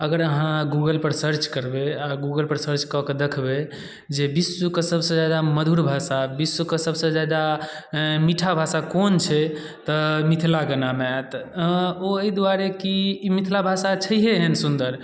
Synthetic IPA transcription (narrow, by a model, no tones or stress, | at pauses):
əɡəɾəɦãɡuɡəlpəɾsəɾt͡ʃkəɾbeaɡuɡəlpəɾsəɾt͡ʃkɔked̪ekʰbe | d͡ʒebisːukesəbʱsə̃d͡ʒad̪aməd̪ʱuɾbʱasabisːukesəbsə̃d͡ʒad̪a | miʈʰabʱasakont͡ʃʰɛ | t̪ɔmit̪ʰlaɡənameat̪ | oeid̪waɾekimit̪ʰlabʱasat͡ʃʰəiɦeɦensund̪əɾ